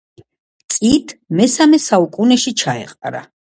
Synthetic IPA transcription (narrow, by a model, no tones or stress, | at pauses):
t̪sʼit̪ʰmɛsamɛsaukʼunɛʃit͡ʃʰaɛ̰qʼaɾa̰